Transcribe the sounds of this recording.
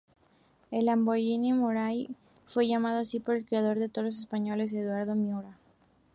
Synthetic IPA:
elamboʎinimoɾaj | fwe̞ʝamað̞oasipo̞ɾe̞lkɾeaðo̞ɾðet̪oðolos̬espaɲo̞le̞s̬e̞ðwaɾðomjuɾa

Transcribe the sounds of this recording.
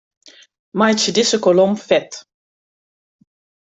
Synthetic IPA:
majt͡ʃədɪsəkɔlɔmfɛt

